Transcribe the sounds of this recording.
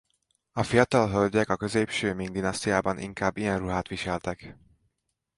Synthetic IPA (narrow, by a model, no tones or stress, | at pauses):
ɒfijɒt̪ɒlɦølɟɛkɒkøzeːpʃøːmiŋɡd̪inɒst̪ijaːbɒnʔḭŋkaːbːijɛnruɦaːt̪ʋiʃɛlt̪ɛk